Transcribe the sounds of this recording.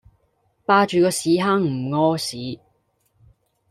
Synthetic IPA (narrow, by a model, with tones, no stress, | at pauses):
paː˧t͡ʃyː˨˧kɔː˧siː˨˥ɦaː˧˥ŋm̩˨˩ŋɔː˥siː˨˥